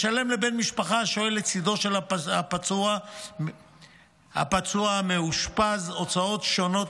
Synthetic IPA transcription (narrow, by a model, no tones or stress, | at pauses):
ʃale̞mlebenmiʃpaχaʃoelet͡sid̪o̞ʃelaapat͡sua | ha̰pat͡suameuʃpazot͡sao̞tʃo̞no̞t